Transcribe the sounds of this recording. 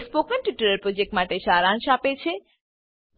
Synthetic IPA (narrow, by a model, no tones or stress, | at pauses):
spokənʈiʈəɾəɾpɾod͡ʑek̚ʈmaʈeʃaɾanʃapet͡ɕʰe